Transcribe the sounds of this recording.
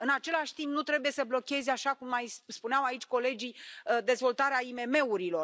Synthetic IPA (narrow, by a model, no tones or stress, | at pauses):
ɨnat͡ʃe̞laʃʲt̪impnut̪ɾe̞buje̞səblo̞kʲe̞zaʃakumːajsspuneawait͡ʃʲko̞le̞d͡ʒid̪e̞zvo̞lt̪aɾeaime̞me̞uɾilo̞r